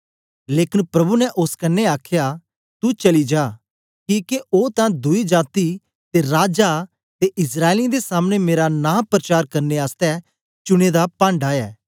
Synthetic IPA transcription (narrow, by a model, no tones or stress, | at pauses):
leːkɪnpɾɐbunɛʔʊskɐnːeaːkʰja | t̪ut͡ʃɐlid͡ʒaː | kiːkeʔoːt̪ãd̪ʊid͡ʒaːt̪i | t̪eɾaːd͡ʒa | t̪eʔɪsɾaːɪlĩd̪esaːmñemeːɾanãːpɾət͡ʃaːɾkɐɾneaːst̪ɛ | t͡ʃʊɽ̃ed̪apãːɳɖaːɛː